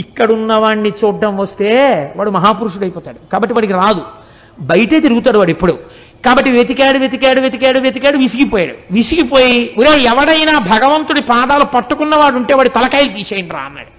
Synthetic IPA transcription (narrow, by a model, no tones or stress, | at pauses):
ikːɐɽunːɐʋaːɳːit͡ʃuːɖːɐmʋɐst̪e̞ːʋaːɽumɐɦaːpuɾuʂ̬uɽɐjpɔːt̪aːɽukaːbɐʈːiʋaːɽikiɾaːd̪u | bɐjɐʈeːt̪iɾuɡut̪aːɽuʋaːɽipːuɽu | kaːbɐʈːiʋet̪ikjaːɽuʋjet̪ikjaːɽuʋeːt̪̬ikɐjaːɽuʋeːt̪ikaːɽuʋisiɡipɔːja̰ːɽṵʋisikipoːjiuɾeːɛʋɐɽɐjnaːbʱɐɡɐʋɐnt̪unipaːd̪aːlupɐʈːukunːɐʋaːɽuɳʈe̞ːʋaːɽit̪ɐlɐkajlut̪iːseːjiɳɖɾa̰ːɐnːa̰ːɽu